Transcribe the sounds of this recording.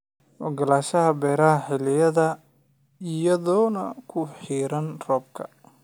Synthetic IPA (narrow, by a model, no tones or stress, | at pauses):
wɔ̰ɡɐlaːʃɐɦɐbɛːɾɐɦɐħɪlɪjɐðɐ | ɪjɐðɔːnɐkʰʊħiːɾɐnrɔːb̚kʰɐ̰